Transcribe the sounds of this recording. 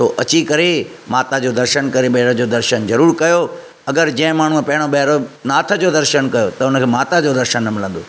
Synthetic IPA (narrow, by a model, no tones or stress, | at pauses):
soːʔɐt͡ɕikɐɾemaːt̪ad͡ʑoːd̪ɐɾʃənkɐɾeɓɐɦɾəd͡ʑoːd̪ɐɾʃənzɐɾuːɾkɐjo | ɐɡəɾd͡ʑɐ̃ɪ̃maːɳ̤upɐɦɪɽ̃oɓɐɦɾonaːt̪ʰəd͡ʑoːd̪ɐɾʃənkɐjot̪ɐʊnəkʰeːmaːt̪ad͡ʑoːd̪ɐɾʃənːɐmɪlə̃nd̪oː